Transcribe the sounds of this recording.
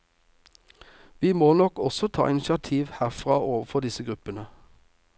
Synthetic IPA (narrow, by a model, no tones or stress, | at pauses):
ʋiːmoːnɔkɔsɔt̪ʰɑ̰ːʔɪnʃɪɑt̪ʰiːʋhæːʁfʁɑːʔoːʋəfɔd̪ɪsəɡʁʉpənə